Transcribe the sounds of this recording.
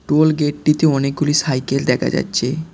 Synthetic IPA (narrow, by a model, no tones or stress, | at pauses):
ʈolɡeʈ̚ːit̪eɔnek̚ɡulisajkeld̪ɛkʰa̰d͡ʑa̰tːɕʰe